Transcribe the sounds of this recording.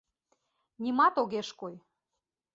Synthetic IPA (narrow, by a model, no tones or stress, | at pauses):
nʲimɑt̪oɣeʃkoj